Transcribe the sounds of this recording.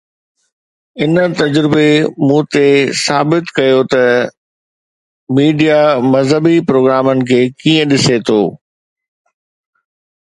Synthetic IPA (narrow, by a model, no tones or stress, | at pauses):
ɪnət̪ɐd͡ʑɾɪbemũːt̪esaːbɪt̪kɐjot̪ɐ | miːɖijamɐzɦəbipɾoːɡɾaːmənɪ̆kʰeːkiːə̃ɗɪset̪ʰoː